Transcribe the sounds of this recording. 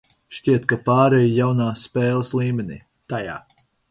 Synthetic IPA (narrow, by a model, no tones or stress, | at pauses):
ʃciɛt̪kapaːɾɛjijawnaːspɛːlˠɐslˠiːmʲenʲḭː | t̪aja̰ː